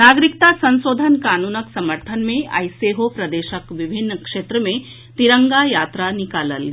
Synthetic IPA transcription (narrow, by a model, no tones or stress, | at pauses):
naːɡɾikt̪asɐ̃nsoːd̪ʱənkaːnuːnəksɐməɾt̪ʰənmẽʔa̰jseɦopɾɐd̪eːʃəkʋibʱinːəkʂeːt̪ɾəmẽ | t̪iɾəŋɡajaːt̪ɾanikaːləl